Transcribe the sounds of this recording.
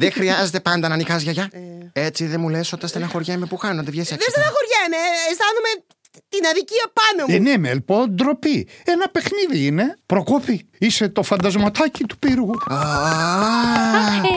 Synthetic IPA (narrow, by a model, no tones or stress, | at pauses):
ðexɾiɐze̞t̪e̞pɐnd̪ɐnɐnixɐzʝɐʝɐe̞t͡siðemulesot̪ɐnst̪enɐxo̞ɾʝemepuxɐnond̪evʝesiðest̪enɐxoɾʝemeːst̪ɐnume | t̪inɐðiciɐpɐnoenemelpod̪ɾo̞pienɐpe̞xniðiine̞pɾo̞kopiise̞t̪o̞fɐnd̪ɐzmot̪ɐcit̪u̥piɾɣuo